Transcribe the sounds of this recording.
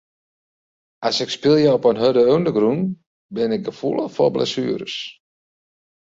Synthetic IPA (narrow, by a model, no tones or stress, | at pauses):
ʔasɪkspɪlˠjəɔpənɦødəøwndəɡrun | bɪnɪk̚ɡəfulˠəfɔ̰lblɛ̰syəɾəs